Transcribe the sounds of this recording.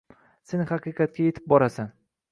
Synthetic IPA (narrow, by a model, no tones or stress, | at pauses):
senɪhɑqʰɨqɑt̪̚kʲaje̞t̪ʰɪ̥p̚bɒɾasan